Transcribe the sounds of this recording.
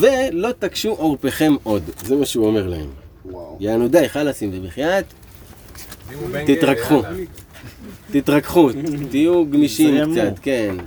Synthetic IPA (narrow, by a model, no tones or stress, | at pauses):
ve̞lo̞t̪akʃuʔoʁpeχe̞mʔo̞d̪zemaʃeuome̞ʁla̰e̞̰mjaanud̪aeχalasimvebiχjat̪ | t̪ːit̪ʁakχu | t̪it̪ʁakχut̪ijuɡmiʃimkt͡sat̪ke̞n